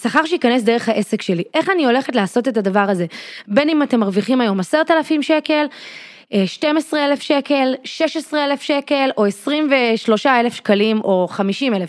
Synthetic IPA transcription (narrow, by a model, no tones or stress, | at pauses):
saχaʁʃeikanes̬d̪eʁeχhaʔe̞sekʃe̞liʔe̞χanio̞le̞χetlaːso̞te̞tadavaʁaze̞be̞nimate̞maʁviχimajo̞maseʁt̪alafimʃe̞ke̞l | ʃte̞mesʁeelefʃe̞ke̞lʃeʃesʁeelefʃe̞ke̞lo̞esʁimveʃlo̞ʃaelefʃkalimʔo̞χamiʃimelef